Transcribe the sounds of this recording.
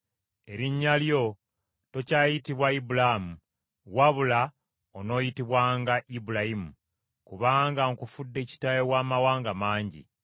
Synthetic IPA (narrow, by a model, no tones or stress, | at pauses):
e̞ɾiɲːaljo̞ | to̞cajitiβwaibulamu | waβula | ono̞ːjitiβwaːŋɡaʔibulaimu | kuβaːŋɡaŋkufudːe̞ːci̥tajewaːmawaːŋɡamaːɲɟḭ